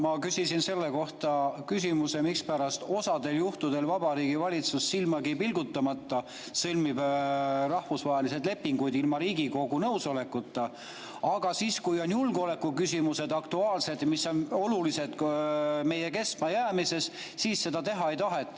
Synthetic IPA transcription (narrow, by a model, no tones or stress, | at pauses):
mɑkysisinse̞lːe̞ko̞ht̪ɑkys̬ʲimuse̞mikspæɾɑst̪o̞sɑd̪e̞ljuht̪ud̪̥e̞lvɑbɑɾiːɡ̥ivɑlʲit̪susːilmɑɡipilɡut̪ːɑmɑt̪ːˑɑ | sɤlmibrɑhvusvɑɦelis̬e̞d̪le̞pːiŋɡ̥ujd̪ilmɑɾiːɡiko̞ɡunɤwso̞le̞kːˑut̪ːɑ | ɑɡ̥ɑsiːskujo̞njulɡo̞le̞kːˑukysʲimuse̞d̪̥ɑkt̪uɑːlse̞d̪jmisːo̞no̞lulise̞d̪me̞je̞ke̞smɑjæːmise̞s | siːsse̞d̪ɑt̪e̞ɦɑe̞jt̪ɑɦet̪ːˑ